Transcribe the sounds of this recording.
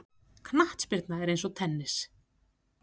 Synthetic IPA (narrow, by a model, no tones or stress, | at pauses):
kʰnaht̪spɪɾt̪naɛɾejnsɔt̪ʰɛnːɪs